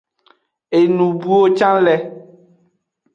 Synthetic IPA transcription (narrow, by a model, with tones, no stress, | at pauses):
e˨nũ˨bu˦o˦t͡ʃã˦lɛ˦